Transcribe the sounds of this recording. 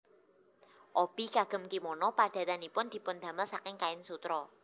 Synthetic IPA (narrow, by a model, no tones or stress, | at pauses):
ʔɔb̥i̤ɡaɡ̥ə̤mkimɔnɔpad̪̥a̤t̪anipʊnd̪̥i̤pʊnd̪̥ä̤məlsakɪŋkaɪnsut̪ɾɔ